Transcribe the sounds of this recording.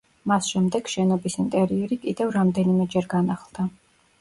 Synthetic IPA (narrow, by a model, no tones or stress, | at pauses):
masʃɛmd̪ɛɡ̥ʃɛnɔbisint̪ʼɛɾiɛɾikʼid̪ɛvɾamd̪ɛnimɛd͡ʒɛɾɡanaχlˠd̪̥a